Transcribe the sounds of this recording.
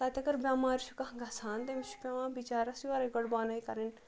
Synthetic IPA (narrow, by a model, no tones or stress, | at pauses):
t̪aːt̪ʲɐɡɐɾbʲjaːmaːɾʃukɐɡɐsaːnt̪emiʃu̥pʲãːʋãːbit͡ʃaːɾɐsiʋaːɾɐɡɐɽbaːnaikɐɾin